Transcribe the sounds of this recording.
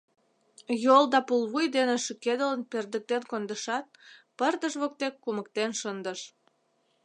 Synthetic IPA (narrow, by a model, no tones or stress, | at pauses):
jolˠd̪ɑpulβujd̪eneʃəked̪ələnperd̪ək̚t̪enkond̪əʃɑt̪̚pərd̪əʃβok̚t̪ekːumək̚t̪enʃənd̪əʃ